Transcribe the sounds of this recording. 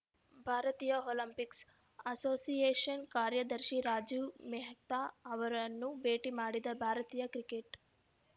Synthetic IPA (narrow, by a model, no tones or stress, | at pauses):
bʱaːɾɐt̪iːjɐoːlɐmpiks | ɐsoːsijeːʂɐnkaːɾjɐd̪ɐɾʃiɾaːd͡ʒumɛɦɐkt̪aːɐʋɐɾɐnːubeːʈimaːɽid̪ɐbʱaːɾɐt̪iːjɐkɾikeʈ